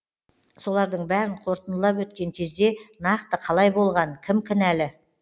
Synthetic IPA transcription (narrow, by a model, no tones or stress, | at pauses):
so̞lˠɑɾd̪əɴbæɾɪɴqʰo̞ɾt̪ənəlˠɑpwɵt̪̚kʲe̞ŋkʲʰe̞zd̪e̞nɑqt̪əqʰɑlˠɑjbo̞lˠʁɑŋkʲʰɪmkʲʰɪnælɪ